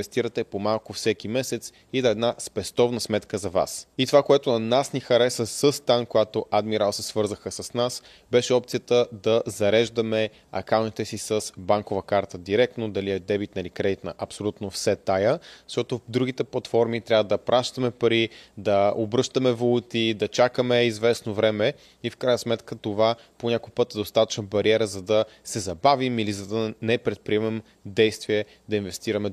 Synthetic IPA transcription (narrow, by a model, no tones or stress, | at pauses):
ɛst̪iɾət̪ɛpomalˠkʊfsɛkimɛsɛt̪s | id̪ɐɛd̪naspɛst̪ɔvnəsmɛt̪kəzɐva̰sit̪ovakoɛt̪onɐnasnixɐɾɛsəsəst̪ankojat̪oʔad̪miɾalˠsɛsvɤɾzəxəsɐsnas | bɛʃɛɔpt̪sijət̪əd̪ɐzɐɾɛʒd̪əmɛ | ɐ̰kaʊnt̪it̪ɛsisəsbaŋkovəkaɾt̪əd̪iɾɛk̚t̪nod̪ɐliɛd̪ɛbit̪nɐlikɾɛd̪it̪nɐʔɐpsolʲut̪nofsɛt̪ajəz̥ʃt̪ɔt̪od̪ɾuɡ̟it̪ɛplˠɐt̪fɔɾmit̪ɾʲavəd̪ɐpɾʔaʃt̪ɐəmɛpɐɾid̪ɐobɾɤʃt̪əmɛvolˠut̪id̪ɐt͡ʃakəmɛizvɛsnovɾɛmɛ | ifkɾajnəsmɛt̪kət̪ova | poɲʲakopɤt̪ɛd̪ost̪at̪ə̥t͡ʃnəbɐɾiɛɾəzɐd̪ɐsɛzɐbavimilizɐd̪ɐnɛpɾɛt̪̚pɾiɛmɛm | d̪ɛjst̪viɛ | d̪ɐinvɛst̪iɾɐmɛ